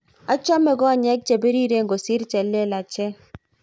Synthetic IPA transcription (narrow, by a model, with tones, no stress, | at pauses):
a˦t͡ʃɔ˦mɛ˨ɡɔ˦˨ɲɛ˦k̚t͡ʃe˨be˦ɾi˦ɾe˦ŋɡo˨sɪ˦ɾt͡ʃɛ˨lːe˦la˨t͡ʃɛ˦